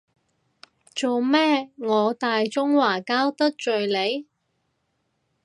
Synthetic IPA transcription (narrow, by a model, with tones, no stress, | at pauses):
t͡so˨wmɛː˥ŋɔː˨˧t̪aː˨jt͡sʊ˥ŋwaː˨˩kaː˥wt̪ɐ˥k̚t͡ʃɵ˨ɥle˨˧j